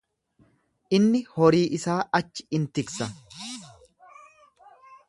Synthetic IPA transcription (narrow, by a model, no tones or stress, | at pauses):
ʔɪnːɪhɔɾiːʔɪsaːɐt͡ʃːɪ̥ɪnt̪ɪksɐ